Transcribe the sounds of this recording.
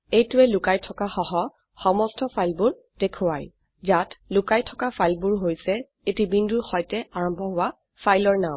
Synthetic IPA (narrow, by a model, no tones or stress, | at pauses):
ejtʊɛlʊkajtʰɔkaxɔɦɔ | xɔmɔstʰɔpʰajlbuɹ | dekʰʊwaj | zatlʊkajtʰɔkapʰajlbuɹɦojsɛ | etibindʱuɹxɔjtɛaɹɔmbʱɔɦʊwa | fʰajlɔɹnam